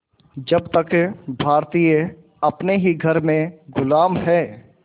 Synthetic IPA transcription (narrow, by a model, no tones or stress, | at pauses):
d͡ʒɐbt̪əkbʱaːɾt̪iːjə | ɐpneɦiɡʱɐɾmẽɡʊlaːmɦɛː